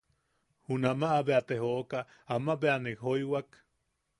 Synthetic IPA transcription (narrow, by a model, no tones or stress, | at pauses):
hunamaʔːbeat̪eɦoʔka | amabeanikɦojwak